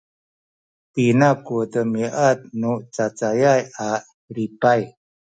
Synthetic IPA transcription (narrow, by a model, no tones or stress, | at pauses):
t̪inakudəmiʔat̪̚nuʔt͡sat͡sajajaʔ | ɾipaj